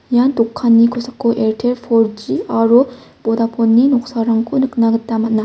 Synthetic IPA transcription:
jant̪okʰːanːikʰosʰḁχkoʔeɾtʰeɾfʰord͡ʑiaɾu | pod̪apʰonːinoχsaɾaŋkʰonɯk̚naɡət̪ːamat̚na

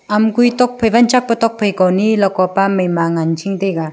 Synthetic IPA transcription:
amkujtɔk̚pʰɐjbant͡ʃak̚pɐtɔk̚pʰɯjkɔwnilɔkɔpamɯjmaŋant͡ʃʰiŋdejɡa

